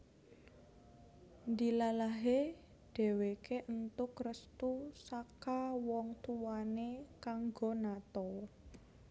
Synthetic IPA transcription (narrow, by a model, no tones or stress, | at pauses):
nd̪ilalaɦe | ɖ̥e̤wekeʔənt̪ʊkrəst̪usakawɔŋt̪uwanekaŋɡonat̪ɔ